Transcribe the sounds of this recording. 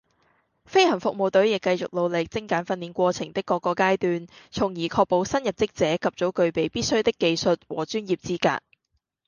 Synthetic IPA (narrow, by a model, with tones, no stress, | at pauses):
fe˥jhɐ˨˩nfʊ˨k̚mo˨wt̪ɵ˨˥ɥjɪ˨kːɐ˧jt͡sʊ̰˨k̚lo˨˧wlɪ˨k̚t͡sɪ˥ŋkaː˨˥nfɐ˧nːiː˨˥nkʷɔː˧t͡sʰɪ˨˩ŋt̪ɪ˥kːɔː˧kːɔː˧kaː˥jt̪yː˧nt͡sʰʊ˨˩ŋjiː˨˩kʰɔː˧k̚po˨˥wsɐ˥njɐ˨p̚t͡sɪ˥k̚t͡sɛː˨˥kʰɐ˨p̚t͡so˨˥wkɵ˧ɥpe˨˧jpiː˥t̚sɵ˥t̪ɪ˥kːe˧jsɵ˨t̚wɔ̰ː˨˩t͡ʃyː˥njiː˨˩p̚t͡siː˥ka̰ː˧t̚